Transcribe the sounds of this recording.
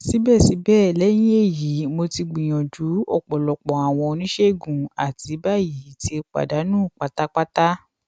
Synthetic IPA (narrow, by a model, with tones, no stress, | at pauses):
si˨˦bɛː˦˨si˨˦bɛː˦˨lɛ˦j̃ĩ˦e˦˨ji˨˦mo˧ti˧ɡ͡bĩ˨j̃ɔ̃˨d͡ʒu˨˦ɔ̰˦˨k͡pɔ˨lɔ˨k͡pɔ˨a˨w̃ɔ̃˧o˧nĩ˦ʃe˦˨ɡũ˨a˨ti˨˦ba˦˨ji˨˦ti˦e˧k͡pa̰˨da˨˦nũː˦˨k͡pa˨ta˦k͡pa˦ta˦